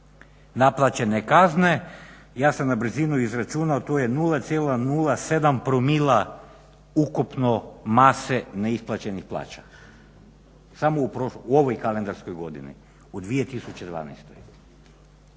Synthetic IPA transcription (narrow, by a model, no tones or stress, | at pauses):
naplˠat͡ɕe̞nekazne̞ | jaːsamnabr̩zinuizɾat͡ʃunaot̪ojenuːlˠat̪sʲjelˠanuːlˠase̞d̪ampɾomilˠa | ukupnomaseneisplˠat͡ɕe̞nixplˠa̰ːt͡ɕḁ | samoupɾouoʋojkalend̪aɾskojɡo̞d̪ḭnḭ | ud̪ʋije̞t̪isut͡ɕed̪ʋa̰ːna̰jst̪o̰j